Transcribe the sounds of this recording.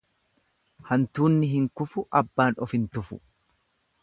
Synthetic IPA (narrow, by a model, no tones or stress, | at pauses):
hɐnt̪uːnːɪɦɪŋkʊfʊʔɐbːaːnɔfɪnt̪ʊfʊ̰